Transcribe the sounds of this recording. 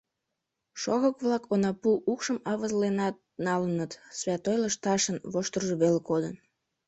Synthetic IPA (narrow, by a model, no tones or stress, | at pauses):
ʃoɣəkβlɑkonɑpuʔukʃəmɑβəzlenɑt̪̚nɑlənət̪sβʲɑt̪ojləʃt̪ɑʃənβoʃt̪ərʒeβelkod̪ən